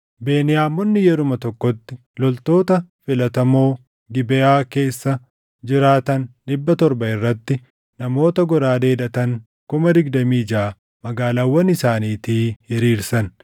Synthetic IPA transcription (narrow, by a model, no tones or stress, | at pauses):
be̞ːnɪjaːmːɔnːɪjɛɾʊmɐt̪ɔkːɔt̪ːɪ | lɔlt̪o̞ːt̪ɐfɪlɐt̪ɐmoː | ɡɪbɛjaːke̞ːsːɐ | d͡ʒɪɾaːt̪ɐnᶑɪbːɐt̪ɔɾbɐɪrːɐt̪ːɪ | nɐmo̞ːt̪ɐɡɔɾaːd̪e̞ːd̪ɐt̪ɐŋ | kʊmɐd̪ɪɡd̪ɐmiːd͡ʒaː | mɐɡaːlaːwːɐnɪsaːniːt̪iːjɛɾiːɾsɐn